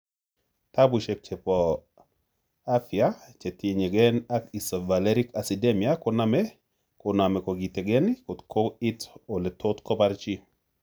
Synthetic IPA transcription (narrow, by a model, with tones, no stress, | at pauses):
ta˦bu˨ʃe˨k̚t͡ʃe˨pɔ | a˦fjat͡ʃe˨te˨ɲe˨ɡɛ˦na˦ki˨sɔ˨va˨le˦ɾi˦ka˨si˨de˦mia˦koname | ko˨na˨mɛ˨ko˨ɡi˨te˨ɡɛ˦niko˨tkʰo˦i˦to˨le˨tʰo˦tkɔ˦baɾt͡ʃi˦